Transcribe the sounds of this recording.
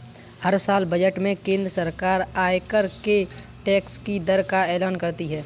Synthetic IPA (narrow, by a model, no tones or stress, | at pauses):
hɐɾsaːlbɐd͡ʒəʈmẽkẽːnd̪ɾəsəɾkaːɾaːɪkəɾke | ʈɛːkskid̪əɾkaɛːlaːnkɐɾt̪iɦɛː